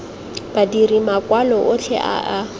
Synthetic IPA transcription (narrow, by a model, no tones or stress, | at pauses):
b̥adirimakwalɔʔʊt͡ɬʰɛ̰ʔa̰ʔa